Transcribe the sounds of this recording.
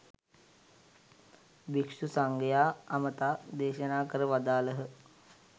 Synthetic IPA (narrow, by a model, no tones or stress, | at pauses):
bikʂusaŋɡəjaːamət̪aːd̪eːʃənaːkəɾəʋad̪aːləɦə